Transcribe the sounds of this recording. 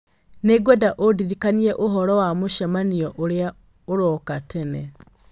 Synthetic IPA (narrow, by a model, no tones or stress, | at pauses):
neɡwedaʔodiɾikanieʔoɦɔɾɔwamuʃamanioʔoɾja | oɾokatene